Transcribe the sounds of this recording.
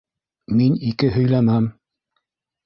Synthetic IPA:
minikɘɦɵ̆jlæmæm

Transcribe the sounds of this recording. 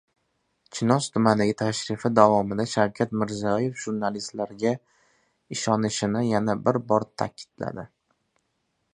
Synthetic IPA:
t͡ʃʰɪnɒst̪ʰʊmand̪aɡʲɪt̪ʰaʃɾɪfɪd̪avɒmɪd̪aʃawkʲʰat̪mɪɾzɒje̞fʒ̥uɾnalist̪laɾɡʲa | ɪʃɒnɪʃɪnɪjanabɪɾbɒɾt̪ʰa̰kʲʰɪ̥d̪la̰d̪ɪ

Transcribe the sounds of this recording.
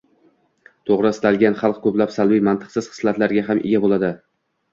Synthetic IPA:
t̪ʰoʁɾɪst̪ʰalˠɡʲanχɑlˠq̚kʰɵplapsalˠbijmant̪ʰɨ̥qsɪz̥χɨ̥slat̪laɾɡʲaɦamʔḛɡʲabolˠad̪ɪ

